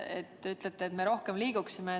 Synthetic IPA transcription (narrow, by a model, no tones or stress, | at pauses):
ḛt̪ːeyt̪ˑlet̪ːˑeːt̪meɾo̞hke̞mliːɡ̥uksime